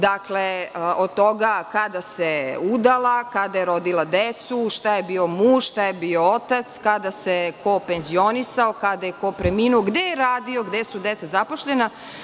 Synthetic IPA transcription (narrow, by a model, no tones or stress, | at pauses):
d̪akleʔod̪̚t̪o̞ɡakad̪aseud̪alˠakad̪ajeɾo̞d̪ilˠad̪et̪suʃt̪ajebiːo̞muːʃʃt̪ajebiːo̞ot̪at̪skad̪asekopenzio̞nisao̞kad̪ajeko̞pɾemiːnuoɡd̪ejeɾaːd̪io̞ɡd̪esud̪e̞t̪sazapo̞ʃʎena